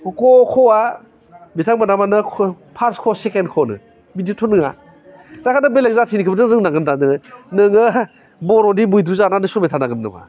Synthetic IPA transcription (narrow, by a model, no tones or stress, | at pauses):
kɔkʰɔwa | bitʰaŋbanamanɯkʰ | pʰaɾskʰosekenkʰonɯ̰ | bidiotʰɔnɯŋa̰ | dakʰanɯbelek̚zatʰinikʰɯbtɯŋɾɯŋnaɡɯndadɯnɯnɯŋɯ | bɔɾɔdibujd̪ɾuzananɯsɔɾmetʰanaɡɯmna̰ma̰